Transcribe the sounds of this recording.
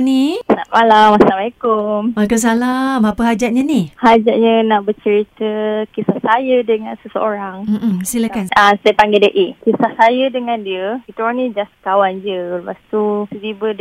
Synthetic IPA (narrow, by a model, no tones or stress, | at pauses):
nina̰malamasalamalekummalkas̬alamapəɦad͡ʒat̪̚ɲanihad͡ʒaʔ̪̚ɲãnãʔbət͡ʃəɾit̪əkisasajədəŋãnsəsəoɾaŋm̩ʔm̩silakanasajpaŋɡedəʔikisahsajədəŋãndiəkit̪əwanĩd͡ʒaskawand͡ʒələpast̪usətibəd